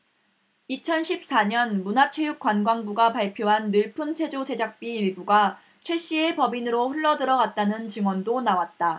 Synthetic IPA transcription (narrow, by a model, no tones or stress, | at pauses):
it͡ɕʰʌnɕʰip̚s͈aɲʌnmunat͡ɕʰwejuk͈wanɡwaŋbuɡapaɭpʰjoɦanːɯɭpʰunt͡ɕʰwe̞d͡ʑod͡ʑe̞d͡ʑak̚p͈iːɭbuɡa | t͡ɕʰwe̞ɕ͈ie̞pʌbinɯɾoɸuɭːʌdɯɾʌɡat̚t͈anɯnt͡ɕɯŋwʌndonawat̚t͈a